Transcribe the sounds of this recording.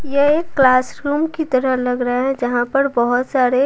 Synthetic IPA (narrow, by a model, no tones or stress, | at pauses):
jeeːkːlaːsɾuːmkit̪ɐɾəɦlɐɡɾɐɦaɦɛ̃d͡ʒɐɦãpɐɾbɐɦʊt̪saːɾe